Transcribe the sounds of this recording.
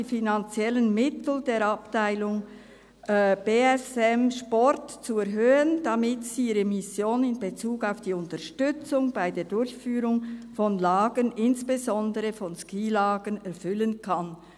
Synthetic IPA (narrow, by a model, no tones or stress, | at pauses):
iːfinant͡sjɛlənmɪtl̩deːɾɑptaɪlʊŋ | b̥eːɛsɛmʃpɔɾtt͡suɛɾɦøːənd̥amɪtsiːiːʁəmɪsjoːnɪnbet͡suːɡaʊfd̥iːʊntəʃtʏt͡sʊŋbaɪdeːdʊɾçfyːɾʊŋfɔnlɑːɡənɪnsb̥ezɔndəʁəfɔnskiːlɑːɡənɛɾfʏlənkʰɑn